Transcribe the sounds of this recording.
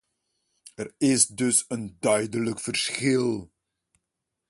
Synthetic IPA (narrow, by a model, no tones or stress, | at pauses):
ərɪsdɵsəndœɥdələkfərsχɪlˠ